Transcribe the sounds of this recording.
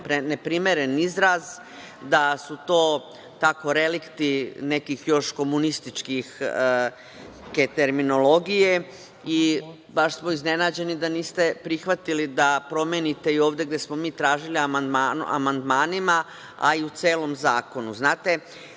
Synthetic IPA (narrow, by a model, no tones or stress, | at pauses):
pɾenepɾimeɾe̞nizɾaz | d̪asut̪o̞ː | t̪ako̞ɾe̞likt̪ine̞kixjo̞ʃko̞munist̪it͡ʃkix | ket̪eɾmino̞lo̞ɡije̞ | i | baʃsmoizne̞naːd͡ʑe̞nid̪aniːst̪e̞pɾixʋat̪ilid̪apɾo̞mjenit̪e̞io̞ːʋd̪e̞ɡd̪je̞smo̞miːt̪ɾaːʒiliamand̪manʔa̰mand̪maːnima | a̰iut̪seːlo̞mzaːko̞nuznaːt̪e̞